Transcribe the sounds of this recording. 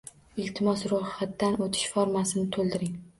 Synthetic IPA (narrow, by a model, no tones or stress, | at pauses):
ɪlt̪ʰɪmɒsɾʊhat̪ːanot̪ʰɪ̥ʃfɒɾmasɪnɪt̪ʰolˠd̪ɪɾɪŋ